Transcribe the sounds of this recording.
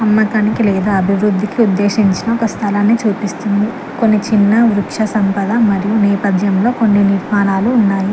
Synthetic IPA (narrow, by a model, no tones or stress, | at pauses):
ɐmːɐkɐnikilɛːd̪aːɐbʱiʋɾud̪ʱːikiud̪ːe̞ːʃiɲt͡ʃinɐokɐst̪ʰɐlɐnːit͡ʃuːpist̪und̪i | ko̞nːit͡ʃinːɐʋɾukʂɐsɐmpɐd̪ɐmɐɾijunɛːpɐd̪ʱjɐmlo̞ːko̞nːiniɾmaːnaːluːnːaːji